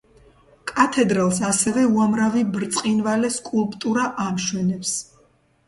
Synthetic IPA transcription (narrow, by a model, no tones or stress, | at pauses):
kʼat̪ʰɛd̪ɾalˠsasɛvɛuamɾavibɾt̪sʼqʼinvalɛskʼulˠpʼt̪ʼuɾaʔamʃwɛnɛps